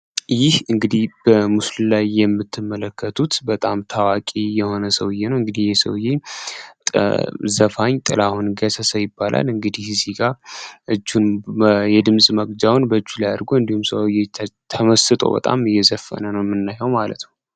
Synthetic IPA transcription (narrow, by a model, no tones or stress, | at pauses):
jɪhɨŋɡɨd̪ib̥əmusllajːɛmːɨt̪ʰːɨmːələkʰːət̪ʰut̪bət̪ʼamt̪ʰawakʼijɛho̞nəsəwɨjenəwɨŋɡɨd̪ihjɛsə̰wjet̪ʼzəfaɲt̪ʼɨ̰lahunɡəsəsəjɪbːalʔa̰lɨŋɡɨd̪ihziɡʼaʔɨd͡ʒːunjɛd̪ɨmsʼməɡd͡ʒawnbəɨt͡ʃːulajad̪əɾɡoɨnd̪ihumsəwjet̪ʰəməsɨt̪ʼo̞̰bə̰t̪ʼa̰mɨjːɛzəfːə̰nənəwmɨnːajɛwmalə̰t̪nəw